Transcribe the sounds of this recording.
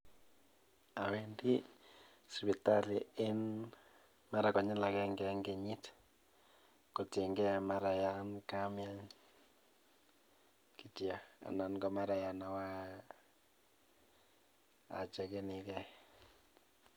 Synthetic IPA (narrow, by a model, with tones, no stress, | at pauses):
a˨wendi˦ | sβi˨ta˦li˨ɪ˦n | ma˦ɾa˨kɔ˨ɲɪ˦la˨kɛ˦ŋɡɛ˦ŋɡe˨ɲi˦t | ko˨ti˨ŋɡɛ˦ma˦ɾa˨ja˦nka˦maɲ | ki˨tja˨a̰˨na˨nɡɔ˨ma˦ɾa˨ja˨na˨wa˦ | a̰˨t͡ʃɛ˨ke˦nikɛ˦